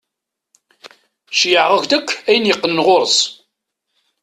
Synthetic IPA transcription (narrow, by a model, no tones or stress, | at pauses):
ʃjəʕʁəʝʷd̪əkʷʰːæjənjəqːənːʁʊɾs